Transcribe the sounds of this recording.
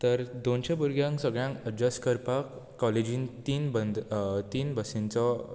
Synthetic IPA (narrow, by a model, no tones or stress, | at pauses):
t̪əɾd̪onɕẽbuɾɡjãŋksəɡɭjãŋkəd͡ʑaskəɾpakː | ɔled͡ʑĩnt̪iːnbənd̪t̪iːnbəsĩnt͡sɔ